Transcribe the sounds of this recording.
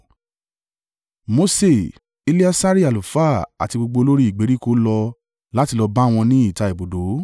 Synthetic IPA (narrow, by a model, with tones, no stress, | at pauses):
mo˧se˦˨ | i˧le˦a˦sa˦ɾi˦a˨lu˨fa˦˨a̰˨ti˧ɡ͡bo˧ɡ͡bo˧lo˦ɾi˦i˦˨ɡ͡be˨˦ɾi˦ko˦lɔ˧ | la˦ti˧lɔ˧ba˦˨w̃ɔ̃˧nĩ˦i˦˨ta˧˨e˨bo˨do˨˦